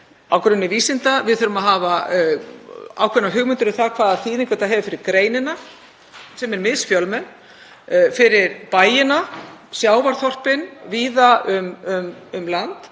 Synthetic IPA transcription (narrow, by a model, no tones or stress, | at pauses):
a̰wkɾʏnːɪviːsɪnt̪avɪðθʏɾʏmaðɦaːva | a̰ːwkʰɛnaɦʏɣmʏnt̪ʏɾʏθakʰvaːðaðθiːðiŋkvœt̪aɦɛːvʏfɪɾɪɾ̥kɾeːjnɪna | sɛmɛɾmɪðsfjœlmɛn | fɪɾɪɾpaːjɪnasjaːwvaɾ̥θɔr̥pɪnviːðaʏmʏmʏmlant̪